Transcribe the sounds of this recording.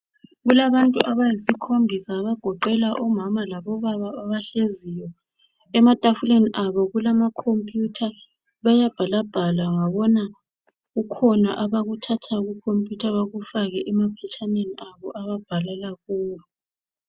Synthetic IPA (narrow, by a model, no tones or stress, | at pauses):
ɣulaβantʼṵʔaβajisikʰombʱisaːβaɡ̥ʱɔǃɛlaʔɔmamalaβɔβaβaːβaɬezijɔ | ɛmatʼafuleniʔaβɔɣulamakʰompʼjutʰa | βajab̥ʱalab̥ʱalaŋaβɔna | ɣukʰɔnaʔaβaɣutʰatʰaɣukʰompʼjutʰaβaɣufaɣɛʔɛmapʰɛt͡ʃʰaneniʔaβɔʔaβab̥ʱalɛlaɣuːlu